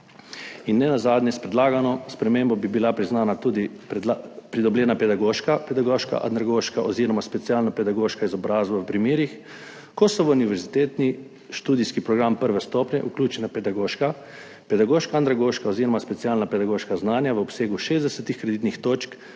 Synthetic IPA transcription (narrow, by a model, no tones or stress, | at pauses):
inːɛnazaːd̪njɛspɾɛd̪laːɡanɔspɾɛmembɔbibilapɾiznaːnat̪ud̪i | p̪apɾid̪ɔbljɛːnapɛd̪aɡoʃkapɛd̪aɡoːʃka̰ʔa̰nɾaɡoʃkaʔɔziɾɔmaspɛt̪sialnapɛd̪aɡoːʃkaizɔbɾaːzbɔʋpɾimiːɾix | kɔsɔʋəuniʋɛɾzit̪eːt̪ni | ʃt̪uːd̪iskipɾɔɡɾampəɾʋɛst̪oːpnʲɛ̰ʔuklʲuːt͡ʃɛnapɛd̪aɡoʃka | pɛd̪aɡoːʃkaand̪ɾaɡoʃkaɔziːɾɔmaspɛt̪siaːlnapɛd̪aɡoːʃkaznaːnjaʋəɔpseːɡuʃeːzd̪ɛsɛt̪ixkɾɛd̪it̪nixt̪oːt͡ʃk